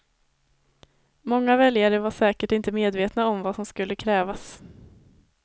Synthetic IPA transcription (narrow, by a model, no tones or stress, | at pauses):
mɔŋːavɛljaɾəvaʂɛːkəʈɪnt̪əmeːd̪veːt̪naɔmvasɔmskɵlːəkʰɾɛːvas